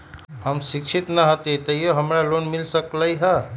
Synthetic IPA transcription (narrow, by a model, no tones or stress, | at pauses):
həmsɪkʃʰit̪nəɦət̪et̪əijoɦəmɾalonmɪlsəkləiɦə